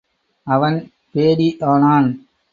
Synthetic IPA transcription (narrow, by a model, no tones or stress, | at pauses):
ɐʋɐn | peːɽiʔaːnaːn